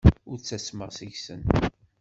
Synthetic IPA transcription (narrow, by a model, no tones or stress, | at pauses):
ʊɾt͡sːæsməʁsiʝsə̰n